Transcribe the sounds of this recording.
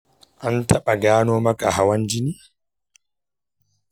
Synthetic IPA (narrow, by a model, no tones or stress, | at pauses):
ʔantʰaɓaɡaːnɔmakahawand͡ʒini